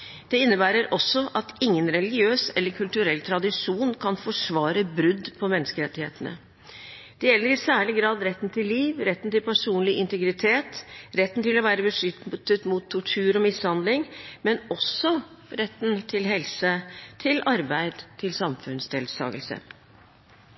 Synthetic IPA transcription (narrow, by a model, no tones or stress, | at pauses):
d̪̥ɛɪnːəbæːɾəɾʔɔsɔʔɑt̪ɪŋːənɾɛlɪɡɪøːsɛlːəɾkʰʉlt̪ʉɾɛlːt̪ʰɾɑd̪ɪʂuːnkʰɑnfɔʂʋɑːɾəbɾʉd̪pʰɔmɛnːəskəɾɛt̪ːɪhḛːt̪ənə̰ | d̪̥ɛjɛlːəɾɪsæːɭɪɡɾɑːd̪ɾɛt̪ːn̩t̪ʰɪlːiːʋɾɛt̪ːnt̪ɪlpæʂuːnlɪʔɪnt̪ɛɡɾɪt̪ʰeːt̪ɾɛt̪ːn̩t̪ɪlɔʋæːɾəbəʂʏt̪t̪ːət̪mʊt̪ʰːʊʈʰʉːɾɔmɪshɑnd̪lɪŋmɛnɔsɔ | ɾɛt̪ːn̩t̪ʰɪlɦɛlsət̪ʰɪlɑɾbæɪd̪t̪ʰɪlsɑmfʉnsd̪eːlsɑ̰ːɡəlsə̰